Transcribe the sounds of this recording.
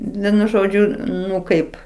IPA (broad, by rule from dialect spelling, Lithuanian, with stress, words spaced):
ˈʋʲiɛnʊ ˈʒoːd͡ʒʲʊ ˈnʊ ˈkɐɪp